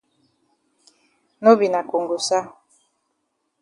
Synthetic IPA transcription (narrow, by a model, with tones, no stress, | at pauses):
no˦bi˨na˨ko˨ŋɡo˨sa˦